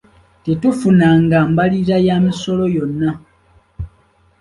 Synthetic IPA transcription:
tetufunaŋɡaːmbaliɾajamiso̞lo̞jo̞nːa

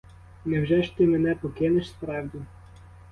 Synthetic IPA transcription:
nɛwʒʲɛʃt̪ɪmɛnɛpɔkʲɪnɪʃspɾɑwd̪ʲu

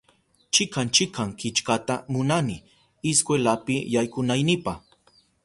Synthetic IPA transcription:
t͡ʃɪkant͡ʃɪkʰaŋkɪt͡ʃkat̪amʊnanɪ | ɪskwelapɪjajkʊnajnɪpah

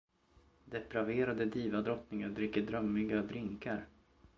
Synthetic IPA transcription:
d̪ɛpɾaveːɾad̪əd̪iːvad̪ɾɔt̪nɪŋad̪ɾɪkːəɖɾœmːɪɡad̪ɾɪŋkaɾ

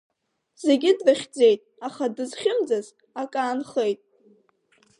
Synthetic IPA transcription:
z̥e̞ɡʲɪdvaχʲd͡ze̞jtʼaχadɨzχʲɪmd͡zaz | akʼaːnχejtʼ

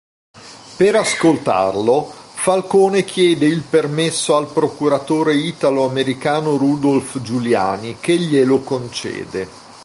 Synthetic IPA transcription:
peɾaskolt̪a̰rlofalkoːnek̟jɛːd̪eilpermesːoalpɾokuɾat̪oːɾeiːt̪aloameɾikaːnoɾud̪olfd͡ʒulja̰ːnikeʎːelokont͡ʃɛ̰ːd̪e

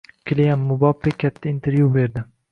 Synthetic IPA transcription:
kʲʰɪlejanːʊbɒpːekʲʰːat̪ʰːaɪnt̪ʰeɾjube̞ɾd̪ɪ

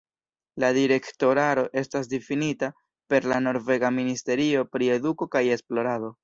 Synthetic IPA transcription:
ladiɾe̞kto̞ɾaɾo̞ʔe̞stas̬difinita | pe̞ɾlano̞ɾve̞ɡaministe̞ɾio̞pɾie̞duko̞kaje̞splo̞ɾado̞

